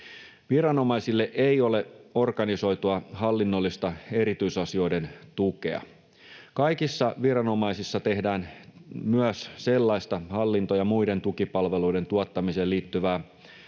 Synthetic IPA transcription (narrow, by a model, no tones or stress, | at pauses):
ʋiɾɑno̞mɑisilːeʔejo̞le̞o̞rkɑniso̞jt̪uɑhɑlːinːolːist̪ɑe̞ɾit̪yisɑsio̞jde̞nt̪ukḛɑ̰ | kɑjkisːɑʋiɾɑno̞mɑisisːɑt̪e̞hdæːnmyæsse̞lːɑist̪ɑhɑlːint̪ojɑmuide̞nt̪ukipɑlʋe̞lujde̞nt̪uɑt̪ːɑmise̞ːliːt̪ːyʋæː